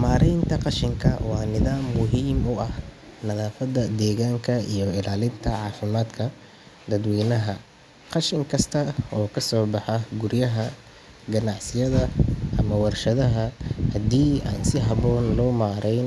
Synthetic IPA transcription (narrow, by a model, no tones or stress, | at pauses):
maːɾɛjnt̪ʰɐqɑʃɪŋkʰɐwɑːnɪðaːmːʊɦiːmʊɐh | nɐðaːfɐd̪ɐd̪ɛːɣaːŋkʰɐijɔɪlaːlɪnt̪ʰɐʕɑːfɪmaːd̪kʰɐ | d̪ɐd̪wiːnɐɦɐ | qɑʃɪŋkʰɐst̪ʰɐɔːkʰɐsɔːbɑħɑɡʊɾjɐɦɐ | ɡɐnɑʕsɪjɐðɐʔɐmɐwɐrʃɐðɐɦɐhɐd̪iːa̰ːnsɪɦɐβɔːnlɔːmaːɾɛjn